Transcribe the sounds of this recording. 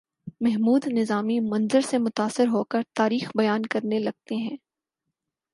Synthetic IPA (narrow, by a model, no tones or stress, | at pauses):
mɛɦmuːd̪nɪzaːmimɐ̃nzəɾsemʊt̪aːsːɪɾɦokɐɾt̪aːɾiːxbɐjaːnkɐɾnelɐɡ̚t̪eɦɛ̃ː